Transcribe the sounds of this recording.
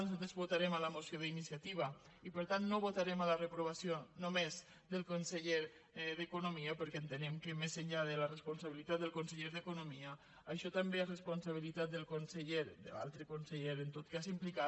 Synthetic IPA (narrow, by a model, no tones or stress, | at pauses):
nuzat̪ɾezβut̪aɾɛmələmusjoðəinisjat̪iβ̞ə | ipəɾt̪anːoβot̪aɾɛmalərəpɾuβ̞asionomez | d̪əlˠkonsəʎeɾ | ðəkunumiəpəɾkɛənt̪ənɛmkəmezəɲʎaðələrəspunsaβilit̪at̪d̪əlˠkunsəʎeɾðəkunomiə | əʃɔt̪əmbeərəspunsaβ̞ilit̪at̪̚d̪əlˠkonsəʎeɾd̪ə̰a̰lˠt̪ɾəkunsəʎeɾənt̪ot̪kazimplika